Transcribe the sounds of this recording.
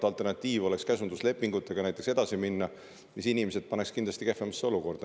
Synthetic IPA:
t̪ɑlt̪ˑe̞rnɑt̪ʲːˑiːvo̞le̞kskæsund̪̥usle̞pːˑiŋɡut̪ːˑe̞ɡ̥ɑnæjt̪ːˑe̞kse̞d̪̥ɑsiminːɑ | misinimese̞d̪̥̚pɑnekskind̪lɑst̪ike̞fːemɑsːeo̞luko̞rd̪̥ɑ

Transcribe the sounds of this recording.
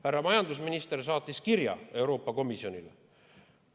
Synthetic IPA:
hærːɑmɑjɑnd̪usminist̪ersɑːt̪ːˑiskiɾjɑ̰e̞wɾo̞ːpˑːɑko̞misjo̞nʲile

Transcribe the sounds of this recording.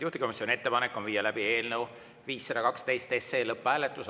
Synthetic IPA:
juht̪iko̞misʲjonie̞t̪ːe̞pɑnekːˑo̞nviːjːɑlæb̥ie̞ːlnew | viːsːed̪ɑkɑkst̪e̞jst̪ese̞ːlɤpːˑæːlet̪ˑːus

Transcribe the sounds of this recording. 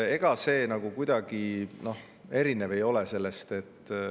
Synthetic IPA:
e̞ɡ̥ɑse̞ːnɑɡ̥ukujd̪̥ɑɡ̥ino̞h | e̞ɾine̞ve̞jo̞le̞se̞lːe̞st̪e̞t̪ː

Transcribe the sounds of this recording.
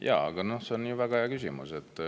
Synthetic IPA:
jʔɑ̰ːɑ̰ɡ̥ɑno̞hseonːjuvæɡɑejɑkysʲimṵset̪ːˑ

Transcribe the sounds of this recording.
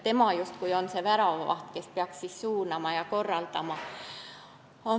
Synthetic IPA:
t̪e̞mɑjust̪kujonseʋæɾɑʋɑ̰ht̪kespeɑkssissuːnɑmɑjɑko̞rːɑlt̪ɑmɑ | o

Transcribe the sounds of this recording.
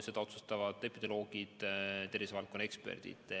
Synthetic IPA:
se̞d̪ɑo̞t̪sust̪ɑvɑd̪̥epːid̪̥e̞lo̞ːɡ̥id̪̥t̪e̞rvisevɑlko̞nekspḛrd̪̥ḭd̪̥

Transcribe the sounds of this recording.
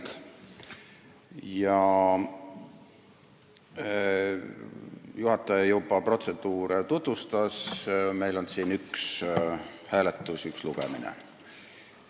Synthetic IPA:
k | jɑ | juhɑt̪ːˑɑjɑjuwbɑpro̞t̪se̞d̪̥uːɾet̪ut̪vust̪ɑsme̞jlo̞nsiːnyks | hæːlet̪ːˑusyksluɡ̥ḛmḭnḛ

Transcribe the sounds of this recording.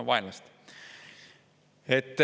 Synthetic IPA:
ʋʋɑinlɑst̪ | et̪ːæ

